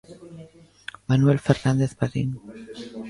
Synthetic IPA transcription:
manuelfeɾnand̪eθpaɾḭn

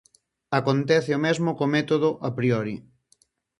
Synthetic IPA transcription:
akont̪ɛθɪomezmokomɛt̪oðʊʔapɾiɔɾḭ

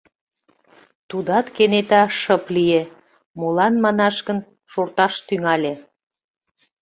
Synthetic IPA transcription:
t̪ud̪ɑt̪kenet̪ɑʃəplije | molɑnmɑnɑʃɣən | ʃort̪ɑʃt̪yŋɑlʲe

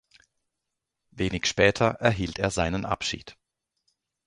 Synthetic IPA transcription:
veːnɪçʃpɛːtʰɐʔɛɐɦiːltʰeːɐzaɪnənʔa̰pʃḭːt

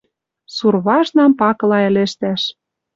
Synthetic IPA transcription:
surβɑʒnɑmpɑkɤ̆lɑɘ̆lĕʃt̪æʃ

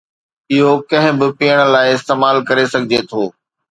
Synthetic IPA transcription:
ɪɦokɐ̃ɦɪ̃bɪpijəɽ̃̆laːɪɪst̪eːmaːlkɐɾesɐɡʱɪd͡ʑet̪ʰoː

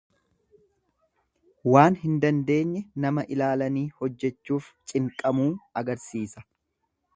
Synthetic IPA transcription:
waːnɦɪnd̪ɐnd̪e̞ːɲːɛnɐmɐʔɪlaːlɐniːhɔd͡ʒːɛt͡ʃːuːft͡ʃʼɪŋkʼɐmuːɐɡɐɾsiːsɐ̥

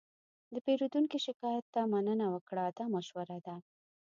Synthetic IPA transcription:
d̪əpeɾud̪uŋkiʃɪkɑjat̪ːamanənawəkɽad̪amaʃwaɾad̪a

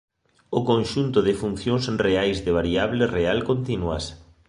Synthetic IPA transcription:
ʊkonʃunt̪ʊðɪfun̟θjõŋsreajzðɪβ̞aɾiaβlerealkont̪inua̰s

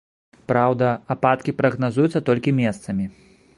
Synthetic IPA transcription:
pɾawd̪ɐapat̪kʲipɾɐɣnazujut̪sːɐt̪ɔlʲkʲimʲest̪sɐmʲi

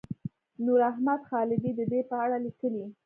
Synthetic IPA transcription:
nuɾaɦmad̪xɑlɪd̪id̪əd̪epəaɽalikəli

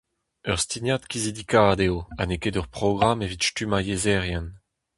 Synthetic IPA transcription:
œʁst̪injat̪kʲizid̪ikaːd̪eoanekedœʁpʁ̥ɔɡʁamevitʃtymajezɛʁjɛn

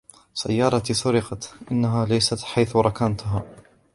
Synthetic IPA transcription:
sa̰jːɑːɾˤɑt̪sʊɾɪqɑt̪ʔɪnːaɦaːlajsat̪ħajθɾˤɑkant̪ɦaː

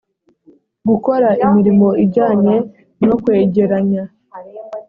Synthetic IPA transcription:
ɡuko̞ɾaʔimiɾimo̞iɟaːɲe̞ | no̞kwe̞ːɟe̞ɾaɲa

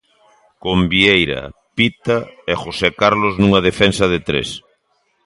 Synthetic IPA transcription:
kombiejɾɐ̰pit̪aexosekaɾloznuŋɐðefensɐð̞ɪt̪ɾḛs

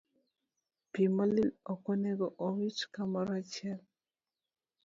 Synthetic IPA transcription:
pimalilɔkɔnɛɡɔʔɔwit͡ʃkamaɾat͡ʃɛl

